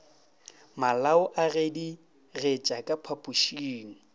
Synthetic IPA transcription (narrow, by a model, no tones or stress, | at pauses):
malaʊʔaɣedi | ret͡ʃʼakʼapʰapʼuʃiːŋ̩